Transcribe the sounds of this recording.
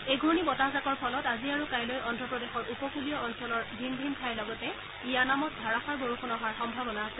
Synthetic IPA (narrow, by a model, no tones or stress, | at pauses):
ejɡʱɔɹnibɔtazakɔɹpʰɔlɔtaziaɹukajlojʔɔndɹɔpɹɔdexɔɹʔupɔkulijɔɔnsɔlɔɹdʱindʱinkʰajlɔɡɔtɛ | ijanamɔt̚dʱaɹaxaɹboɹuxʰɔnɔɦaɹxɔmbʱabɔnaasɛ